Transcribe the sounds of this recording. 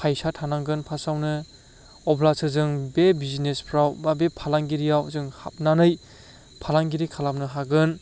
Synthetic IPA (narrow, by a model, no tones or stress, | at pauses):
pʰajsatʰanaŋɡɯnpʰasawnɯ | ɔblasɯzɯŋbebizinespʰɾawbabepʰalaŋɡiɾijawzɯŋha̰p̚nanɯj | pʰalaŋɡiɾikʰalap̚nɯɦaɡɯn